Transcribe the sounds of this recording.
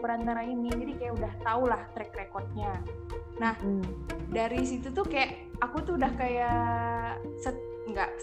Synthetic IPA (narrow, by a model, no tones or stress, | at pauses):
pəɾant̪aɾaninid͡ʒadikajaʔudaht̪aulaht̪ɾɛkrekɔrt̪̚ɲanah | daɾisit̪ut̪ukajaʔ | akut̪uudahkaja | sət̪̚ | ŋɡaʔ